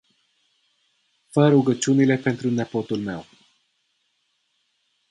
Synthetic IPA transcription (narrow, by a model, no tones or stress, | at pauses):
fəɾuɡət͡ʃunile̞pe̞nt̪ɾunepo̞t̪ulme̞̰w